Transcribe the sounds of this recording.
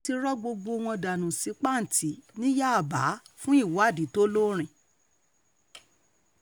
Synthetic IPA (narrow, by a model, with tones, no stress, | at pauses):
ti˧ɾɔ˦ɡ͡bo˧ɡ͡bo˧w̃ɔ̃˧da˨nũ˨si˨˧˦k͡pa˦n̩˨tʰi˨˦nĩ˦ja˦a˨ba˨˦fũ˦i˦˨wa˨˦˨di˨˦to˦lo˦ɾ̃ĩ˨